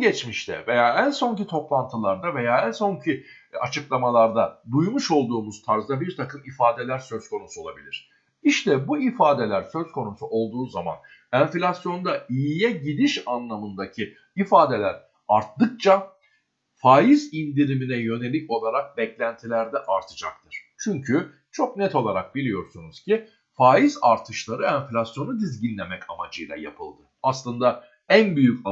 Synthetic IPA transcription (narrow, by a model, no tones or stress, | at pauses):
ɟɛt͡ʃmiʃt̪ʰɛ̰ve̞jaːænso̞ɲcit̪ʰo̞plˠant̪ʰɯlˠaɾd̪ave̞jaːænso̞ɲcʰi | a̰t͡ʃʰɯklˠamalˠaɾd̪ad̪ujmuʃo̞lˠd̪uːmuz̥t̪ʰaɾzd̪abiɾt̪ʰakɯmifaːd̪e̞lʲæɾsø̞z̥kʰo̞nusuo̞lˠabilʲiɾ̥ | iʃt̪ʰɛbuifaːd̪e̞lʲæɾsø̞zkʰo̞nusuʔo̞lˠd̪uːzama̰n | ɛnfilʲasjo̞nd̪aijijɛɟid̪iʃanlˠamɯnd̪acʰi | ifaːd̪e̞lʲæɾ | aɾt̪d̪ɯk̚t͡ʃʰa | faːjizind̪iɾiminɛjø̞ne̞lʲico̞lˠaɾak̚bɛclʲænt̪ʰilʲæɾd̪ɛʔaɾt̪ʰɯd͡ʒak̚t̪ʰɯɾ̥t͡ʃʰyɲcʰy | t͡ʃʰo̞knɛt̪ʰo̞lˠaɾak̚bilʲijo̞ɾsunuz̥cʰi | faːjizaɾt̪ʰɯʃlˠaɾɯænflʲasjo̞nud̪izɟinlʲemɛcamad͡ʒɯjlˠa̰ja̰pʰɯ̰lˠd̪ɯaslˠɯnd̪a | ænbyjyc